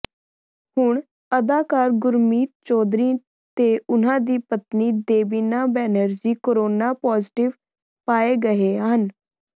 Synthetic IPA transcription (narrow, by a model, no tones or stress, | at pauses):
hʊɳ | əd̪aːkaːɾɡʊɾmiːt̪̚t͡ʃɔːd̪ɾiː | t̪eːʊnãːd̪iːpət̪niːd̪eːbiːnaːbɛːnəɾd͡ʒiːkoɾoːnaːpɔːzʈɪʋ | paːeːɡəeːɦən